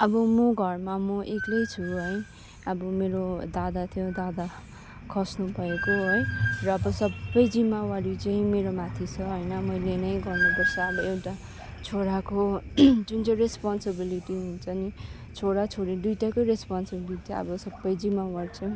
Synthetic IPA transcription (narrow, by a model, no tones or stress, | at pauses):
ʌbʌmʌɡʱʌrmamʌʔeklʌjt͡sʰuɦʌj | ʌbʌmeɾod̪ad̪at̪ʰijõd̪ad̪a | kʰʌsnubʱʌekoɦojrʌːbʌsʌbʌjd͡zimawaɽit͡sʌĩmeɾomat̪ʰit͡sʰʌɦoʌjnʌmʌjlenʌjɡʌrnepʌrsʰʌʌbʌewʈa | t͡sʰoɽakod͡zunt͡sʌɾespɔnsebiliʈiɦunt͡sʰʌni | t͡sʰoɽat͡sʰoɽidujʈakojɾespɔnsibiliʈiʌ̰bʌsʌbːʌjd͡zimawaɽit͡sʌĩ